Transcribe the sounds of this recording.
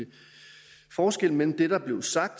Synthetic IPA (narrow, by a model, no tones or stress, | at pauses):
fɒːsɡ̥el̰melm̩d̥e̝d̥ɑ̈b̥le̝ʊsɑ̈ɡ̥̚d̥